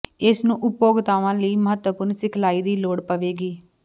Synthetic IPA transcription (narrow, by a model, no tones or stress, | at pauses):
ɪsnũːʔʊpːoːɡt̪aːʋãːləiːməɦət̪ʋəpʊɾnsɪkʰlaːiːd̪iːloːɽpəʋeːɡiː